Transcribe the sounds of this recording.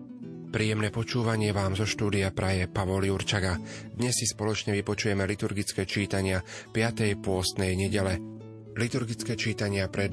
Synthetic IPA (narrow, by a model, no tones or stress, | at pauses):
pɾiːjɛmnɛpɔt͡ʃuːʋaɲɪɛʋaːmzɔʃt̪uːd̪ijapɾʔajɛpaʋɔliuɾt͡ʃaɡad̪ɲɛsːispɔlɔt͡ʃɲɛʋipɔt͡ʃujɛmɛlit̪uɾɡit͡skɛːt͡ʃiːt̪aɲɪapɪat̪ɛjpʊɔzd̪nɛjɲɛɟɛlɛ | lit̪uɾɡit͡skɛːt͡ʃiːt̪aɲɪapɾɛd̪